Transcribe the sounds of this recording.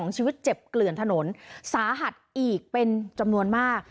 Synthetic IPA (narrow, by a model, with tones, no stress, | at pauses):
ŋt͡ɕʰiː˧wi˦˥t̪̚t͡ɕe˨˩p̚klɯ˨˩ənt̪ʰa˧no˩˦nsaː˩˦ɦa˨˩t̪̚ʔiː˨˩k̚pe˧nt͡ɕa˧mnu˧ənmaː˥˩k̚